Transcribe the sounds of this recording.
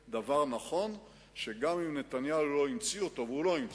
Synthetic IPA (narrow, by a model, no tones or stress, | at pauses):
d̪avaʁnaχo̞n | ʃe̞ɡamimne̞t̪anjaulo̞imt͡siot̪o̞vulo̞im